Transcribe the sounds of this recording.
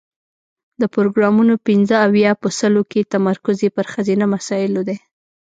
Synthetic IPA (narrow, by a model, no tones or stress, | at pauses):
d̪əpɾoɡɾɑmunopɪnzəawjɑpəsəloket̪amaɾkʊzepəɾxazinamasɑjɪlod̪e